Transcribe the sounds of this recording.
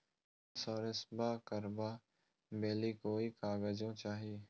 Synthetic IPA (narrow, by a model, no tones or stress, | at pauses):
sɔːɾɪsbaːkəɾbaː | meːliːkoːiːkaːɡəd͡ʒõt͡ʃaːɦieː